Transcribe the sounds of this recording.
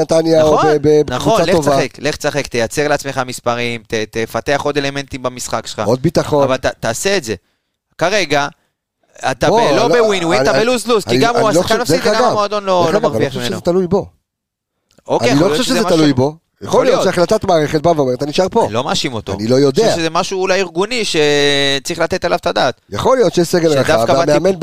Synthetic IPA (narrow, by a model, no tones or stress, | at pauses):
nat̪anjaaoonbebnaχo̞naleosvaaχekle̞χt͡saχekt̪ejat͡se̞ʁleat͡sme̞χamispaʁimt̪et̪efat̪e̞aχo̞d̪e̞le̞me̞nt̪imbamisχakʃelχa̰od̪̚bit̪aχovalt̪at̪aːseːt̪ze̞ | kaʁe̞ɡa | a̰t̪abelobewinwit̪abeluzlusiɡamaualoalmafsikaɡaɡamod̪onlolaaʁviaχmimenozɛt̪alujbo | okːejaojooʃeʃezemaaluujbo | jaχolijooʃeaχlat̪at̪maːʁeχet̪̚baveomet̪aniʃaʁpolo̞maːʃimo̞t̪o̰anilo̞jod̪eaʃezemaʃuːlajiʁɡuniʃe̞t͡sʁiχlat̪e̞talavt̪ad̪aːt̪jaχolijot̪ʃejeʃseɡelead̪afkavameamenb